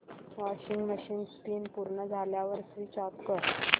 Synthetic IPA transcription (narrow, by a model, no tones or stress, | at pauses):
ʋɔɕiŋɡməɕiːnɡspinpuɾɳəd͡zʱaljaʋəɾsʋiːt͡ɕɔt̪kəɾ